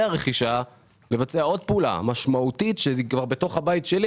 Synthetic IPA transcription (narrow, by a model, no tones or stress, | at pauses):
aʁeχiʃa | le̞vat͡seao̞d̚peula̰maʃmautitʃeikvaʁbe̞to̞χhabaitʃeli